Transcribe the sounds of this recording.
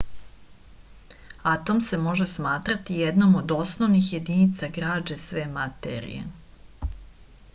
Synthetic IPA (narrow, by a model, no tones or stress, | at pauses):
at̪o̞mse̞mo̞ʒe̞smaːt̪ɾat̪ijed̪no̞mod̪o̞snoʋnixje̞d̪iːnit̪saɡɾaːd͡ʒesʋe̞mat̪ḛɾḭjḛ